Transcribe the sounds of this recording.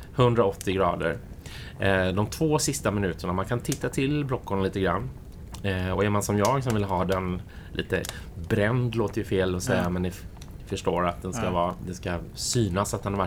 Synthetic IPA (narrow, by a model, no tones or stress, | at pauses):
hɵnd̪ɾaɔt̪ːɪɡɾɑːd̪ə̰ɾ | d̪ɔmt̪ʰvoːsɪst̪amɪnʉ̟ːt̪əɳamankʰant̪ʰɪt̪ːat̪ʰɪlbɾɔkːʊɳaliːt̪əɡɾa̰nː | ɔɛɾmansɔmjɑːɡs̬ɔmvɪlːɦɑːd̪ɛnlʔḭːt̪ə̰bɾɛnd̪loːt̪əjɵfeːlɔsɛjːamɛnːɪ | fœʂʈoːɾat̪̚d̪ɛnskavɑːd̪ɛskasyːnasat̪̚d̪ɛnhava